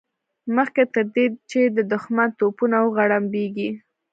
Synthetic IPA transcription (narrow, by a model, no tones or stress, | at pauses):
məxket̪əɾd̪et͡ʃed̪əd̪ʊxmant̪opunawəɣaɽambeɡi